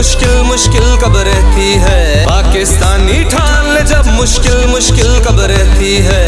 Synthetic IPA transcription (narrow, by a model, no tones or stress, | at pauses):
ʊʃkɪlmʊʃkɪlkɐbɾɛɦt̪iɦɛː | paːkɪst̪aːniʈʰaːnlẽd͡ʒɐbmʊʃkɪlmʊʃkɪlkɐbɾɛɦt̪iɦɛː